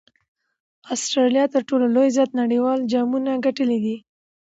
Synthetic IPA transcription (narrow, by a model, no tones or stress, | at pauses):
ɑsʈɾɑlijɑt̪əɾʈololojzjɑt̪naɽiwɑld͡ʒɑmunaɡaʈəlid̪i